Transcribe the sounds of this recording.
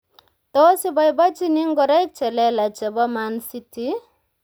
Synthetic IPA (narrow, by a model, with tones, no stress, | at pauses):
tɔ˦si˦bɔ˨jba˦t͡ʃi˦ni˦ŋɡɔ˨ɾa˦jk̚t͡ʃɛ˨lɛ˦la˨t͡ʃɛ˨bɔ˦ma˨nsi˦ti˦